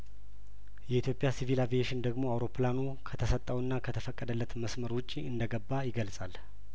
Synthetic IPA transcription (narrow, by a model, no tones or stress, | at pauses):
jɛit̪ʰjo̞pʼjasivilavijeʃɪnd̪əɡmo̞awɾo̞pʰlanu | kʰət̪ʰəsət̪ʼːəwɨnːakʰət̪ʰəfəkʼːəd̪əlːət̪məsməɾwʊt͡ʃʼːiɨnd̪əɡəbːajɪɡəlsʼal